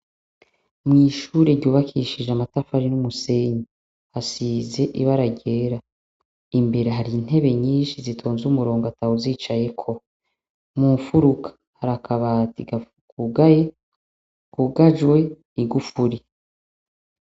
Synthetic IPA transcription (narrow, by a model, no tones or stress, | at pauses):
mŋiːʃuːɾeɾɟuːβakʰiʃid͡ʒamatafaɾinumuse̞ɲi | hasize̞ʔiβaɾaɟe̞ːɾa | imbe̞ɾe̞ɦaɾin̥he̞βe̞ɲiːnʃizitʰo̞ːnzumuɾo̞ːŋɡatawuziːt͡ʃaje̞kʰo̞ | muːɱfuɾukʰḁ | haɾakʰaβatiɡa | kuɡaje | kuɡad͡ʒwe̞ | iɡufuɾi